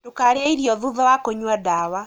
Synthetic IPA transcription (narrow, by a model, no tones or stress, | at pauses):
tokaɾeaiɾjɔðuðɔwakoɲwadawa